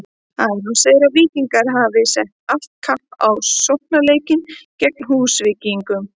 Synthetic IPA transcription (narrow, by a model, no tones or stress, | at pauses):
aðɪnunseːðɾaviːc̪iŋkaɾ̥ɦavɪsɛht̪̚al̥t̪̚kʰampawsowhpnaleːjcɪncɛk̚nɦuːsvɪciŋkʏm